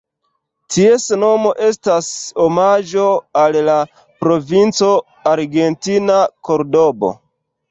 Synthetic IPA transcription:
tʰiesno̞mo̞ʔe̞stasomad͡ʒo̞alla | pɾo̞vint͡so̞ | aɾɡe̞ntinako̞ɾdo̞bo̰

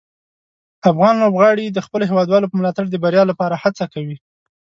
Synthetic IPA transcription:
afɣɑnlobɣɑɽid̪əxpəloɦewɑd̪wɑlopəmlɑt̪aɽd̪əbaɾjɑlapɑɾahat͡sakawi

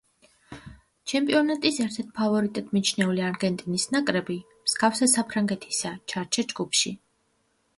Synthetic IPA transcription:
t͡ʃʰɛmpʼiɔnat̪ʼisɛɾt̪ʰɛɾt̪̚ʰpʰavɔɾit̪ʼad̪̚mit͡ʃʰnɛuliaɾɡɛnt̪ʼinisnakʼɾɛbi | msɡafsɛsapʰɾaŋɡɛt̪ʰi̥sat͡ʃʰaɾt͡ʃʰɛd͡ʒɡupʃi

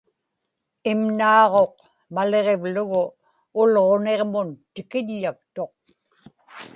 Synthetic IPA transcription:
ɪmnɑːʁo̞q̚ | male̞ʁe̞vlʊɣʊː | lʁo̞ne̞ʁmʊnt̪ɪkɪʎːak̚t̪o̞q̚

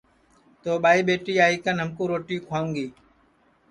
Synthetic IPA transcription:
t̪oːɓaːiːɓeːʈiːaːiːkənɦəmkũːɾoːʈiːkʰaːŋɡiː

